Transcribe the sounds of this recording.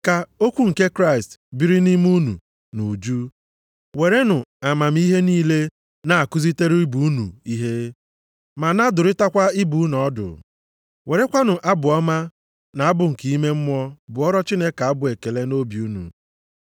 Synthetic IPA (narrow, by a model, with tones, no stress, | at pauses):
ka˨o˦kʷu˦ŋ̩˨ke˦kɾa˦˨ɪ˨stbi˦ɾi˦ni˦m˦u˦nṵ˨ | nu˨d͡ʒu˦ | we˨ɾe˦nʊ˨a˨ma˨m̩˦i˦ɦe˦niː˦le˦ | na˨a˨kʊ˦zi˦te˦ɾi˦i˦bu˨u˦nṵ˨i˦ɦe˦ | ma˨na˦dʊ˨ɾɪ˦ta˦kʷa˦i˦bu˨˦n˨ɔ˦dʊ̰˨ | we˨ɾe˦kʷa˦nʊ˨ʔa˦bʊ˨ɔ˦ma˦ | na˨a˦bʊ˨ŋ̩˨ki˨i˦me˦m̩˦mɔ˦bʊ˨ɔ˦ɾɔ˦t͡ʃi˦ne˦ka˨a˦bʊ˨e˨ke˨le˦no˦bju˦nṵ˨